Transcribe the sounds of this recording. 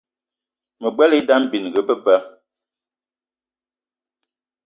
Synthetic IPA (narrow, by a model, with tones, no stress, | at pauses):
mə˨ɡ͡bwɛ˦le˦da˦m˦˨bi˨n˨ɡə˨˦pə˦pə˦